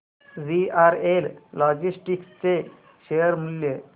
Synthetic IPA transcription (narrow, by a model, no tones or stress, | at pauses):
ziaɾellɔd͡ʑisʈikt͡se | ɕejəɾmulːje